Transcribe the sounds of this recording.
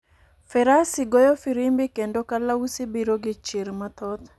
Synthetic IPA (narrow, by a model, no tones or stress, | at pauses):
fɛɾasɪɡojɔfiɾimbɪkendokalausibiɾoɡɪt͡ʃiɾmat̪ɔt̪